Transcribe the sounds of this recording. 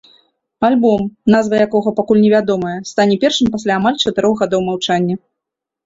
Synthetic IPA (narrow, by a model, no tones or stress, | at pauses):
alʲbɔmnazvɐjakɔɣɐpakulʲnʲɛvʲad̪ɔmɐjɐst̪anʲɛpʲɛrʂɨmpasʲlʲaːmalʲt͡ʂɐt̪ɨɾɔɣɣad̪ɔwmawt͡ʂanʲːɐ